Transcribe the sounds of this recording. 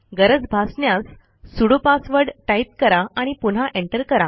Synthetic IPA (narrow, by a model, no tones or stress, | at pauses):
ɡəɾəd͡zbʱasɳjasː | uɽopasʋəɾɖʈaip̚kəɾaaɽ̃ipunɦaʔeɳʈəɾkəɾa